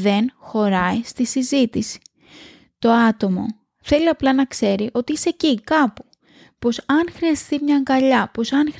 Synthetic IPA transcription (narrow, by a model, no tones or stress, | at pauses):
ðe̞nxo̞ɾɐist̪isizit̪isi̥ | t̪o̞ɐt̪o̞mo̞̰ | θe̞liɐplɐnɐkse̞ɾiʔo̞t̪iisecikɐpu̥ | po̞sɐnxɾiɐst̪imɲɐŋɡɐʎɐpo̞sɐnx